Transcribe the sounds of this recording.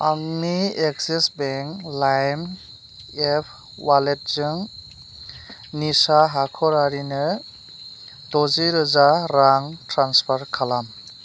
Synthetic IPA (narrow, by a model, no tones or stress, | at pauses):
aŋnieksisbeŋklajm | epʰ | walet̚zɯŋ | nisaɦakʰɔɾaɾinɯ | dɔziɾɯzaɾaŋtɾanspʰaɾkʰalam